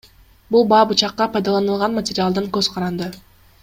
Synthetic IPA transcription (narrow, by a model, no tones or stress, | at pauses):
bulˠbɑːbut͡ʃɑqːɑpʰɑjd̪ɑlˠɑnɯlˠʁɑnmatʲɪɾʲɪalˠd̪ɯŋkɵz̥qʰɑɾɑnd̪ɯ